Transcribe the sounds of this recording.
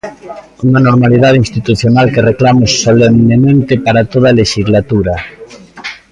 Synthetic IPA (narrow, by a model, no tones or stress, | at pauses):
uŋanoɾmaliðað̞inst̪it̪uθjonalkereklamʊsːolemnemẽnt̪epaɾat̪oðaleʃizlat̪uɾa